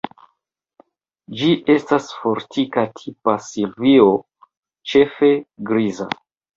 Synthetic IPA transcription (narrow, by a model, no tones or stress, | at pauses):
d͡ʒiʔe̞stasfo̞ɾtʰikatʰipasilvio | t͡ʃe̞fe̞ɡɾiza